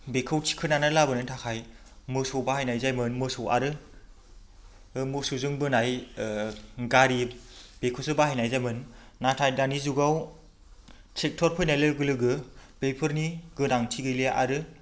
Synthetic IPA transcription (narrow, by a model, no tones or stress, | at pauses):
bekʰɯwtʰi̥kʰɯnanalabɯnɯntʰakʰaj | mɯsowbahajnajzajmɯnmɯsowa̰ɾɯ | mɯsuzɯŋbɯnaj | ɡaɾib̥ekʰɯwsɯbahajnajzajmɯnː | atʰajdanizuɡaw | sʰek̚tʰɔɾpʰɯjnajlɯɡɯlɯɡɯbejpʰɯɾniɡɯnaŋtʰiɡɯjliaʔaɾɯ